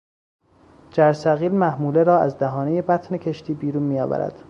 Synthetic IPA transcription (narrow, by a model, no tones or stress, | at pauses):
d͡ʒæɾsæɣiːlmæhmuːleɾɒːæzd̪æɦɒːne̞je̞bæt̪ʰne̞cʰe̞ʃt̪ʰiːbiːɾuːnmiːjɒ̰ːvæ̰ɾæ̰d̪̥